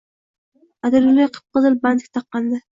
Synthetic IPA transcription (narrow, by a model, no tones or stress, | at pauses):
ad̪ɪɾɪlijqʰə̥p̚qɨzɨlband̪ɪk̚ʲt̪ʰɑqːɑnd̪ɪ